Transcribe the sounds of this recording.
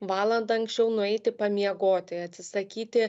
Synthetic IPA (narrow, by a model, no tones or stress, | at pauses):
ʋɑːlˠɐnd̪ɐɐŋksʲt͡ʃʲɛʊnʊɛɪt̪ʲɪpɐmʲiɛɡoːt̪ʲɪɐt̪ʲsʲɪsɐkʲiːt̪ʲɪ